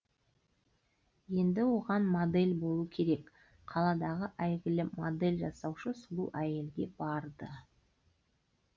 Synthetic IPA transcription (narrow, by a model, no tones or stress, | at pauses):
je̞nd̪ɪwo̞ʁɑnmod̪e̞lʲbo̞lˠukʲʰe̞ɾe̞k | qʰɑlˠɑd̪ɑʁəʔæjɡʲɪlɪmo̰d̪e̞lʲʒɑsɑwʃəsʊlˠṵʔæje̞lɡʲe̞b̥ɑɾd̪ə